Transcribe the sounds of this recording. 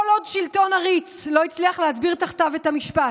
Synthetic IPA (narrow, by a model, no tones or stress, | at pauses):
olo̞dʃilto̞naʁit͡slo̞it͡sliaχleatbiʁt̪aχt̪avethamiʃpa